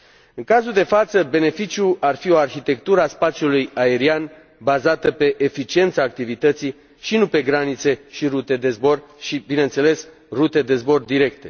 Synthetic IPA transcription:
ɨŋkazuld̪e̞fat̪səbe̞ne̞fit͡ʃijuarfio̞arxit̪e̞kt̪uɾəaspat̪t͡ʃjulujae̞ɾian | bazat̪əpe̞ʔefit͡ʃie̞nt̪saːk̚t̪ivit̪ət̪si | ʃinupe̞ɡɾanit̪se̞ʃiɾut̪e̞d̪e̞zbo̞rʃibineɨnt̪se̞le̞s | rut̪e̞d̪e̞zbo̞rd̪iɾe̞kt̪e̞

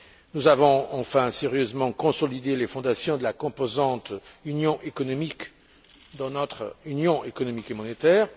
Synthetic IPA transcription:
nuzavɔ̃ɑ̃fɛ̃sɛʁjøzmɑ̃kɔ̃sɔlid̪elefɔ̃d̪asjɔ̃d̪əlakɔ̃pozɑ̃t̪ynjɔ̃ʔekɔnɔmik | d̪ɑ̃nɔt̪χynjɔ̃ʔekɔnɔmikemɔnet̪ɛːʁ

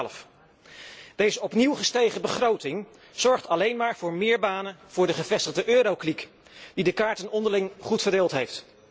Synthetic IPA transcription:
ləf | d̥ejzəɔpniwχəstejχəbəχrowtɪŋ | z̥ɔɹχtɑlejnmaːɹvʊːɹmɪːɹbaːnəv̥ʊːɹdəχəvɛstəχdəʔøːɾowklik | d̥idəkaːɹtənɔndəɹlɪŋχutfəɹdɪːlˠtɦejft

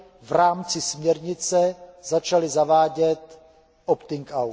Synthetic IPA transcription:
vɾaːmt͡sɪsmɲɛɾɲɪt͡sɛzat͡ʃalɪzavaːɟɛt̪ | ʔopt̪ɪŋkawt̪

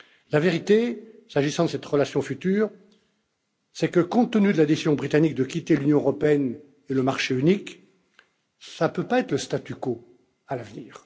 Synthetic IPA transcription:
laveʁit̪esaʒisɑ̃d̪əsɛt̪ʁəlasjɔ̃fyt̪yːʁ | sɛkəkɔ̃t̪ːənyd̪əlad̪esizjɔ̃bʁit̪anik̚d̪əkʲit̪elynjɔ̃øʁɔpeɛn | eləmaʁʃeynik | sapøpaɛt̪χləst̪at̪yko | alavniːʁ

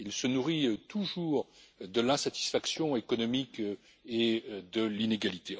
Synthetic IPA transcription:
ilsənuʁit̪uʒuːʁd̪əlɛ̃sat̪i̥sfaksjɔ̃ekɔnɔmik | ed̪əlineɡalit̪e

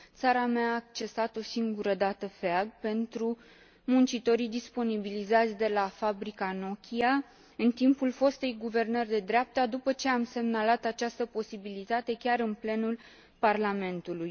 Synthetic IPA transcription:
t̪saɾameaːk̚t͡ʃe̞sat̪o̞siŋɡuɾəd̪at̪əfeaɡpe̞nt̪ɾu | munt͡ʃit̪o̞ɾid̪ispo̞nibilizat̪sʲd̪e̞lafabɾikano̞kʲia | ɨnt̪impulfo̞st̪ejɡuve̞rnərʲd̪e̞d̪ɾeap̚t̪ad̪upət͡ʃe̞amse̞mnalat̪at͡ʃast̪əpo̞sibilit̪at̪e̞kʲaɾɨnple̞nul | parlame̞nt̪uluj

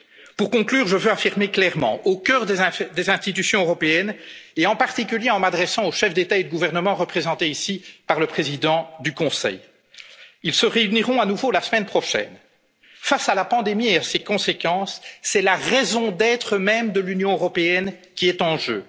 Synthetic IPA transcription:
puʁkɔ̃klyːʁʒəvøafiʁmeklɛʁmɑ̰̃okʲœːʁd̪ed̪ezɛ̃st̪it̪̬ysjɔ̃øʁɔpeɛneɑ̃paʁt̪ik̬ʲyljeɑ̃mad̪ʁɛsɑ̃oʃɛfd̪et̪aed̪əɡuvɛʁnəmɑ̃ʁəpχezɑ̃t̪eisipaʁləpχezid̪ɑ̃d̪ykɔ̃sɛ̰j | ilsəʁeyniʁɔ̃anuvolasəmɛnpχɔʃɛ̰n | fasalapɑ̃d̪emieasekɔ̃sekɑ̃sːɛlaʁɛzɔ̃d̪ɛt̪χəmɛmd̪əlynjɔ̃øʁɔpeɛnkʲiɛt̪ɑ̃ʒø̰ː

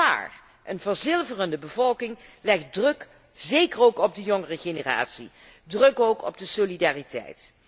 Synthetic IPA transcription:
a̰ːr | ʔənvəɹzɪlˠvərəndəbəvɔlˠkɪŋlɛχt̚drɵk | zejkəɹowkɔb̚dəjɔŋərəχenəra̰ːtsḭ | drɵkowkɔ̰b̚dəsolidaːritɛ̰jt

